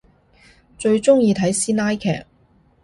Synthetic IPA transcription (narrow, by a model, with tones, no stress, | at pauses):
t͡ʃɵ˧ɥt͡sʊ˥ŋjiː˧t̪ʰɐ˨˥jsiː˥naː˥jkʰɛ̰ː˨˩k̚